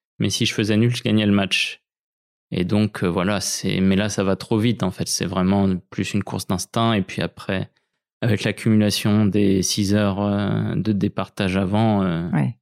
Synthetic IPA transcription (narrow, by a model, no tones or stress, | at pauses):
mɛ̰siʒəfəzɛnylʒəɡaɲɛləmat͡ʃ | ḛd̪ɔ̃kʰøvwalasɛ̰mɛlasavat̪χovit̪ɑ̃fɛt̪sɛ̰vʁɛmɑ̃plysynkʰṵʁsd̪ɛ̃st̪ɛ̃epɥia̰pχɛ | avɛklakʰʲymylasjɔ̃d̪esizœʁø̰d̪əd̪epaʁt̪aʒavɑ̃ø